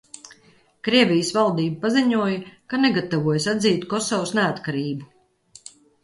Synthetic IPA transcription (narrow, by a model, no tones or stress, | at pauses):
kɾiɛvʲijəsvalˠd̪iːbupaziɲuɔjɐkaneɡat̪avuɔjsad̪ziːt̪kɔsɔwsneat̪kaɾiːbu